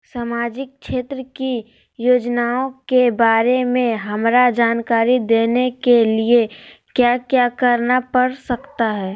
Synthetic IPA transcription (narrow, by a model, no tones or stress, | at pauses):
samaːd͡ʒɪk̚ʃeːt̪ɾəki | joːd͡ʒnaõkebaːɾemẽɦɐmɾad͡ʒaːnkaːɾid̪eːnekeliekjakjakəɾnapəɾsəkt̪aɦɛː